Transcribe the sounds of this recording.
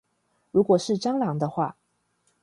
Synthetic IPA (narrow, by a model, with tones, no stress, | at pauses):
ɻu˧˥kwɔ˨˩ʂɻ̩˥˩ʈ͡ʂɑ˥ŋlɑ˧˦ŋd̪ə˧xwa˥˩